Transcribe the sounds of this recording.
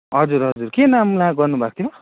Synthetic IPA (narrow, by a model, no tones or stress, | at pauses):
ɦʌd͡zuɾɦʌd͡zurkenamlãɡʌrnubʱak̚t̪ʰima